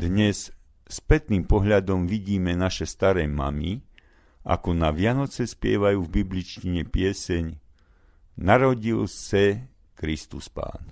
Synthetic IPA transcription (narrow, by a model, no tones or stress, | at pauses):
d̪ɲɛs | spɛt̪niːmpɔɦʎad̪ɔmʋiɟiːmɛnaʃɛst̪aɾɛːma̰mi | ʔa̰kɔnaʋɪanɔt͡sɛspɪɛ̰ʋajuːvbiblit͡ʃciɲɛpɪɛsɛɲ | naɾɔɟilsɛ | kɾist̪uspa̰ːn